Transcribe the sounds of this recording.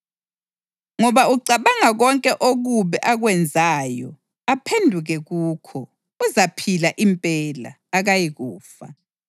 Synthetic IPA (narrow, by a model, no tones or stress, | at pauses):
ŋɔβauǀaβaŋaɣɔŋkʼɛʔoɣuβɛʔaɣwɛnd͡zʱajɔ̰ | apʰendʱuɣɛɣuːkʰɔ | uzapʰilaʔimpʼɛla̰ːɣajiɣuːfa̰